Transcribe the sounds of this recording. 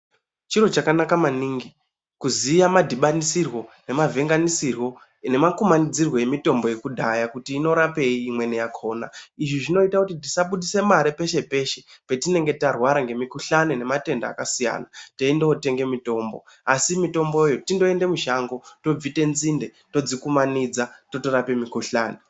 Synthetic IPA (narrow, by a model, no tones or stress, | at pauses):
t͡ʃiro̞t͡ʃakanakamaniːŋɡi | kuzijamadʱiɓanisirwo̞ne̞mavʱe̞ŋɡanisirwo̞ | ne̞makumanid͡zirwo̞je̞mito̞mbo̞je̞kudʱajakutiːno̞ɾape̞iimwe̞nejakʰo̞ːna̰iʐiʐino̞itakutit̬isaɓuɗise̞maɾipe̞ʃe̞pe̞ʃe̞pe̞tine̞ŋɡe̞tarwaɾaŋɡe̞mikuɬanene̞mate̞nda̰ːkasija̰ːnate̞indeote̞ŋɡe̞mito̞ːmbo̞̰ | asimito̞mbojejotindo̞e̞ndemuʃaŋɡo̞to̞b͡vite̞nzinde̞ | to̞d͡zikumanid͡zato̞toɾape̞mikuɬa̰ːne